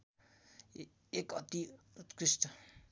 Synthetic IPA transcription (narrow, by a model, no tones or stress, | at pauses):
ekʌt̪iut̪kɾisʈ̪ʌ